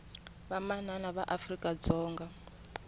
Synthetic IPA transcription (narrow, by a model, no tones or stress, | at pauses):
βamananaβaʔafrikʼad͡zɔːŋɡa